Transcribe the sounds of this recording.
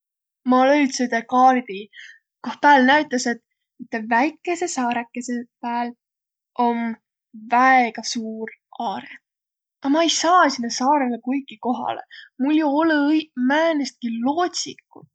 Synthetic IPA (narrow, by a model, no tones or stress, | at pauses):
mɑlejt̪set̪ekɑːlit̪i | kohpæːlnæjt̪ːˑɑse̞t̪ | mit̪ːˑevæjkːˑe̞se̞sɑːɾekːˑesepæːl | ʔo̞n | væeɡ̥ɑsuːrɑːɾet̪ | ɑmɑejsɑːsinːesɑːɾe̞lekujɡiko̞ɦɑ̰lḛmuljuolumæːnest̪̚kiloːt̪ʲsikːˑu